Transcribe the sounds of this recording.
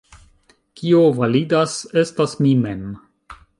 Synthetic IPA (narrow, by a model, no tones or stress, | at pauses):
kiovalidase̞stasmimen